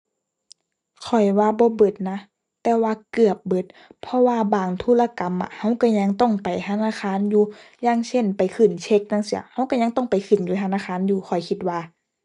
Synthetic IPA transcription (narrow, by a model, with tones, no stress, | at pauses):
kʰɔ˨˩jwaː˧bɔː˧˦bɤ˧˩t̪̚na˧˥ | t̪ɛː˧waː˧kɯ˨˩əp̚bɤ˧˦t̪̚pʰɔ˧waː˧baː˨˩ŋt̪ʰuː˧˥la˧˨ka˨˦mʔa̰˧ha˧˥˨wka˧˩ɲa˧˥ŋt̪ɔ˧˩ŋpa˨˩jt̪ʰa˧˨naː˧˥˨xʰaː˧˥˨njuː˧˦jaː˧ŋsʰe˧˥˩npa˨jkʰɯ˨˩nt͡ɕʰe˧˥k̚na˧˨ŋsi˧˩ɐha˧˥˨wka˧˥˩ɲa˧˥ŋt̪ɔ˥˩ŋpa˨jkʰɯ˨˩njuː˧t̪ʰa˧˨naː˧˥˨xʰaː˧˥˨njuː˧˦xʰɔ˨˩jkʰi˧t̪̚waː˧˨